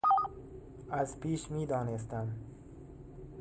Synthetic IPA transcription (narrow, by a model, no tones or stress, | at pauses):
azpiːʃmiːd̪ɒːnes̬t̪am